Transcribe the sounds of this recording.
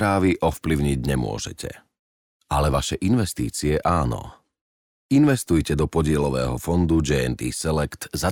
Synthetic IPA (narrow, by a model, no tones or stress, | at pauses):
ɾaːʋiʔɔfpliʊɲiɟɲɛmʊɔ̰ʒɛ̰cʰɛ̰ | alɛʋaʃɛʔinʋɛst̪ḭːt͡siɛʔaːnɔ̰ | inʋɛst̪ujcɛd̪ɔpɔɟɪɛlɔʋɛ̰ːɦɔfɔnd̪ud͡ʒɛɛnt̪ḭːsɛlɛkt̪za